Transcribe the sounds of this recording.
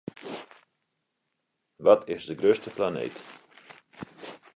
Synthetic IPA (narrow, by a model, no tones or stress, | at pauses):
ʋɔtʰɪzdəɡrøːstəplanḛːt